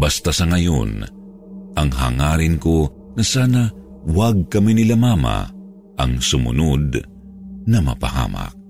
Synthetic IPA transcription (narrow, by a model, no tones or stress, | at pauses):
bɐst̪asɐŋɐjo̰n | ʔɐŋɦa̰ːŋaːɾɪnko | nɐsaːnɐ | waɡ̚kɐminɪlamaːma̰ | ʔɐ̰ŋsʊmʊ̰nod̪̚ | nɐmɐ̰pɐha̰ːma̰k̚